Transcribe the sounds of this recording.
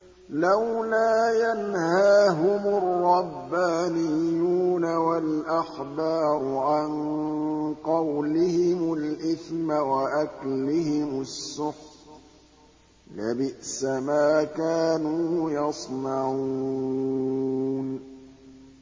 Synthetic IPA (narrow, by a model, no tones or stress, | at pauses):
lawlaːjanhhaːɦʊmʊrːɑbːaːnɪjːuːnawalʔaxbɑːɾˤʊʕan | qɑwlɪhɪmʊlʔɪθmawaʔaklɪhɪmʊsːʊħ | labɪʔsamaːkaːnuːjɑsˤnaʕu | n